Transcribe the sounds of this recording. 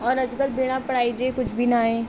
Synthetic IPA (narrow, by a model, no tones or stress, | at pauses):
ɔːɾɐd͡ʒɡəlbeːɽ̃apɐɽaːid͡ʒekʊt͡ʃʰbʱinaɦẽː